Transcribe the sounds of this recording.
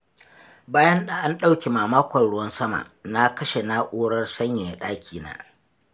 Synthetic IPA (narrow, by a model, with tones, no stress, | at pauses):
baː˦jɐ˦nɗa˨ʔa˦nɗa˦wkʲe˨maː˨maː˦kʷɐ˨nɽʊ˦wɐ˦nsɐ˦ma̰˨ʔna˦kɐ˦ʃe˨na˦ʔʷoː˦ɽɐ˦rsɐ˦ɲja˨ɗaː˦kʲʰiː˨na̰ː˦